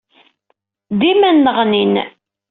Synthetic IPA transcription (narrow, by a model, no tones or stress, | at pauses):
d̪imænːəʁnin